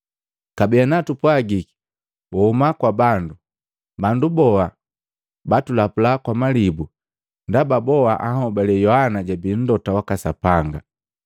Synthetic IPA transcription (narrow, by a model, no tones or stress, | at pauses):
kabijanatupwaɡiki̥ | wʔɔhumakwabandu | bandubɔa | batulapulakwamalibu | ndababɔaʔahɔbalɛjɔhanaɟabin̩dɔtawakasapaŋɡa